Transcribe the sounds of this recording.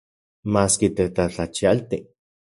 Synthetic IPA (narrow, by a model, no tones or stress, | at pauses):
maːskit̪et̪at͡ɬat͡ʃialt̪i